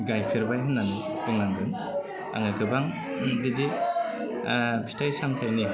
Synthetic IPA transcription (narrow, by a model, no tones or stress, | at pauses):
ɡajpʰeɾbajɦɯnːan | bɯŋnaŋɡɯn | a̰ŋɯkɯbaŋ | didi | bi̥stʰajsaŋtʰajni